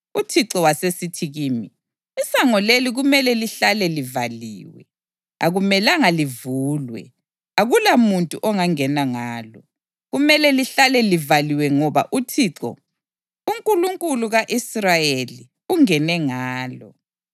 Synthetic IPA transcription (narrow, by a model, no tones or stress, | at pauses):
utʰiǁɔwasesitʰiɣiːmi | isaŋɔleliɣumɛlɛliɬalɛlivaliːwɛ̰ | aɣumɛlaŋalivuːlwɛ̰ | aɣulamuntʼuʔɔŋaŋɛnaŋaːlɔ̰ | ɣumɛlɛliɬalɛlivaliwɛŋɔβa̰ʔutʰiːǁɔ̰ | uŋkʼuluŋkʼuluɣaʔisrajeli | uŋɛnɛŋaːlɔ̰